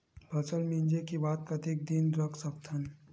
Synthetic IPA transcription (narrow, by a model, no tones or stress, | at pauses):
bʱɐt͡ʃəlmĩnd͡ʒekibaːt̪̚kɐt̪iːk̚d̪inɾɐkʰsək̚t̪ən